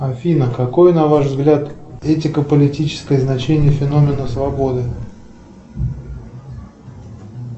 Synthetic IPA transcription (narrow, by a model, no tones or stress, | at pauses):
ɐfʲinəkɐko̞jənɐvaʐvzɡlʲat̪ɛtʲɪkəpəlʲɪtʲit͡ɕɪ̥skəjəznɐt͡ɕenʲɪjəfʲɪno̞mʲɪnəsvɐbo̞d̪ɨ